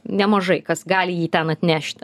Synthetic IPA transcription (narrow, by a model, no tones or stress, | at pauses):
nʲɛmɐʒɐɪkɐsɡɑːlʲɪjiːt̪ʲɛnɐt̪ʲnʲæːʃʲt̪ʲ